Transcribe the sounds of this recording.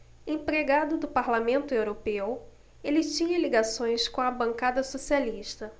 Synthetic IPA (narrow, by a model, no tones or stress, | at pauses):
ẽpɾeɡad̪ʊd̪ʊpaɾlamẽnt̪ʊewɾopew | elɪt͡ʃĩɲɐliɡasõj̃skõɐbɐ̃ŋkad̪ɐsosialiʃt̪ɐ